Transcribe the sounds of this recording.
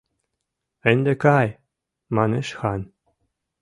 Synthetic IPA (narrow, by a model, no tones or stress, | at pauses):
ɘ̆nʲd̪ɘ̆kɑj | mɑnɤʃxɑn